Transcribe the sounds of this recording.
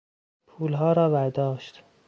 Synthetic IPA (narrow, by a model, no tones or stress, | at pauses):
pʰuːlɦɒːɾɒːvæɾd̪ɒːʃt̪